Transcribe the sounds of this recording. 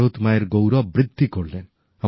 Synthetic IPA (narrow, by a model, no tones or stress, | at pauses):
oːt̪majɐɾɡowɾɐʋbɾɨd̪ʱːikoɭleːn | ɐ